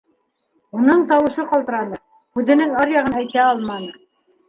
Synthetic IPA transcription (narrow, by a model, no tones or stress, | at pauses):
unɤɴt̪ɑwɤ̆ʃɤqɑlˠt̪ɤ̆ɾɑnɤ | hʉðɘ̆nɘŋɑɾjɑʁɤnæjt̪æɑlˠmɑnɤ